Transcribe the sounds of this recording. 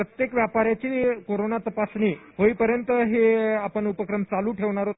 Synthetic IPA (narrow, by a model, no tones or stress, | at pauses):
ət̪jekʋjapaɾjat͡ɕiːkoɾonat̪əpasɳiːɦoiːpəɾjənt̪əɦeapəɳupəkɾəmt͡saluːʈʰeʋɳ̃aɾo